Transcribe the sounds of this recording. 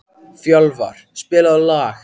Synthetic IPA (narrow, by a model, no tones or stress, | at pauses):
fjœlva̰ɾ̥spɪːlaðlaːx